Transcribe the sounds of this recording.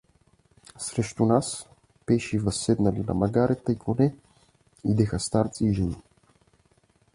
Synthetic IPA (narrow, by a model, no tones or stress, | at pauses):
sɾɛʃt̪unas | pɛʃivɐsːɛd̪nalinɐ̰mɐɡaɾʔɛt̪əikonɛ | id̪ɛxəst̪aɾt̪siːʒɛni